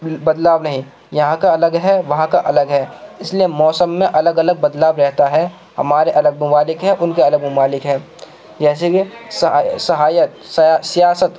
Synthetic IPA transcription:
bɐd̪laːbnɐɦĩ | jɐɦãkaɐləɡɦɛʋɐɦãkaʔɐləɡɦɛːɪsliemɔːsəmːẽʔɐləɡɐləɡ̚bɐd̪laːbɾɛɦt̪aɦɛ | hɐ̰maːɾeʔɐləɡ̚mʊmaːlɪkɦɛʔʊnkeɐləɡmʊmaːlɪkɦɛ̃ː | d͡ʒɛːsekissɐɦaːjət̪ssijaːsət̪

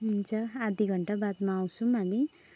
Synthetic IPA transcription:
int͡ʃaːd̪ʱiɡʱɐɳʈɐbat̪maːwsumɐni

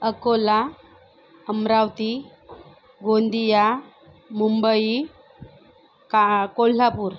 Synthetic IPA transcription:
əkola | əmɾawt̪i | ɡond̪ija | mumbəi | kakollapuːɾ

